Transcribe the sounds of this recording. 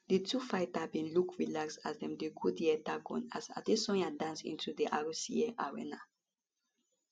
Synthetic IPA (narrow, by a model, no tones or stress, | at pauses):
ditʰufaɪtabĩnlukɹilaksasdɛ̃mdeɡʰudiɛtaɡɔ̰̃na̰sa̰desɔ̃nadãnsḭ̃ntudiʔaɹusiɛʔaɹɛ̰na